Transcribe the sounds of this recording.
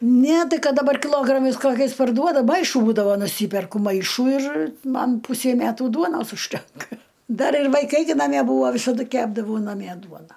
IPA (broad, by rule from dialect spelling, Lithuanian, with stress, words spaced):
nʲɛ ˈtɐɪ ˈkɐt dɐˈbɐr kʲɪˈlˠoːɡrɐmɐɪs ˈkoːkʲɛɪs pɐrˈduɔdɐ ˈmɐɪʃʊ ˈbuːdɐʋoː nʊˈsʲiːpʲɛrkʊ ˈmɐɪʃuː ɪr ˈmɐn ˈpʊsʲɛɪ ˈmʲæːtuː ˈduɔnoːs ʊʃʲˈtʲɛŋkɐ ˈdɐr ɪr ʋɐɪˈkɐɪ ɡʲɪ nɐˈmʲiɛ ˈbuːʋoː ʋʲɪsɐˈdʊ ˈkʲæːbdɐʋɐʊ nɐˈmʲiɛ ˈduɔnɐ